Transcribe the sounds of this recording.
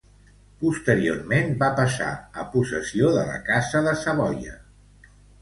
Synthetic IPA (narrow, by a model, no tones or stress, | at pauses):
pust̪əɾio̰rmenbapəsa̰əpusəsioðələ̰kazəðəsəβɔjə̰